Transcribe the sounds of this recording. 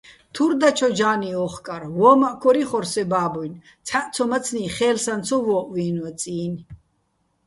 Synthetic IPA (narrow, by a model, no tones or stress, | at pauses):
t̪ʰuɾd̪at͡ʃʰɔd͡ʒaːniɔχkʼaɾvɔːmaʔkʰɔɾiχɔɾsɛbaːbɔjn | t͡sʰaʔt͡sʰɔmat͡sʰniχɛːlsant͡sʰɔvɔːʔviːnwat͡sʼiːn